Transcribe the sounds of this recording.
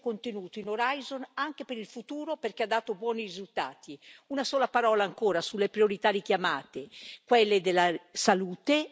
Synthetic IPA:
kont̪enuːt̪oinoɾajzonaŋk̟epeɾilfut̪uːɾoperkead̪ːaːt̪obwɔːnirizult̪a̰ːt̪iunasɔːlapaɾɔːlaːŋkoːɾasulːepɾioɾit̪aːɾik̟jamaːt̪ekwɛlːed̪elːasaluːt̪e

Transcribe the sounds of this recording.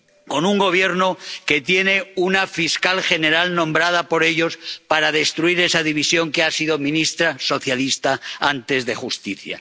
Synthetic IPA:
ko̞nuŋɡo̞β̞je̞ɾnoke̞t̪je̞ne̞unafiskalxe̞ne̞ɾalnõ̞mbɾað̞apo̞ɾe̞ʎo̞spaɾað̞e̞st̪ɾuiɾe̞saðiβ̞isjo̞ŋkeasiðo̞mĩnist̪ɾaso̞θjalist̪aant̪e̞zðe̞xust̪iθja̰

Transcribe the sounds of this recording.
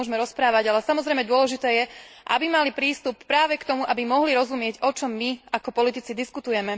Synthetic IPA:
ɔʒmɛɾɔspɾaːʋaɟalɛsamɔzɾɛjmɛd̪ʊɔlɛʒit̪ɛːjɛ | ʔa̰bimalipɾiːst̪upːɾaːʋɛkt̪ɔmuʔabimɔɦliɾɔzumɪɛɟɔt͡ʃɔmːiakɔpɔlit̪it͡sid̪iskut̪ujɛmɛ

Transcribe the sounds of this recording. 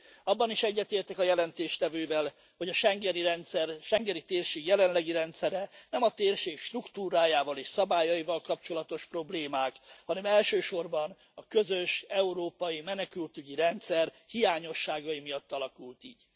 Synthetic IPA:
ɒbːɒniʃɛɟːɛt̪eːrt̪ɛkɒjɛlɛnt̪eːʃt̪ɛvøːvɛl | ho̞ɟɒʃɛŋɡɛniɾɛnt̪sɛrʃɛŋɡɛnit̪eːrʃeːɡjɛlɛnlɛɡiɾɛnt̪sɛɾɛnɛmɒt̪eːrʃeːkʃt̪rukt̪uːɾaːjaːvɒleːʃsɒbaːjɒjivɒlkɒp̚t͡ʃo̞lɒt̪o̞ʃpro̞bleːmaːkhɒnɛmɛlʃøːʃo̞rbɒn | ɒkø̞zø̞ʃɛuɾoːpɒjimɛnɛkylt̪yɟiɾɛnt̪sɛr | hijaːɲo̞ʃːaːɡɒjimijɒt̪ːɒlɒkult̪ḭːɟ

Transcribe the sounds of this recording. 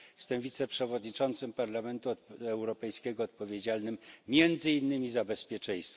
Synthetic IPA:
st̪ɛmvʲit̪sɛpʂɛvɔd̪ɲit͡ʂɔnt̪sɘmpaɾlamɛnt̪uɛwɾɔpɛjskʲɛɡɔːt̪̚pɔvʲjed͡ʑalnɘmːʲjɛnd̪zɘinːɘmʲizabɛspʲjɛt͡ʂɛ̃j̃st̪f

